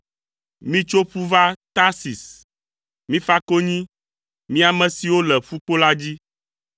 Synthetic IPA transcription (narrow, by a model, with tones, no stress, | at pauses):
mĩ˦t͡ʃo˦ɸu˦va˦t̪a˦si˨s | mĩ˦fa˦ko˦ɲĩ˦ | mĩ˦a˨mɛ̃˨si˨wo˦lɛ˨ɸu˦k͡po˦la˦d͡ʑi˦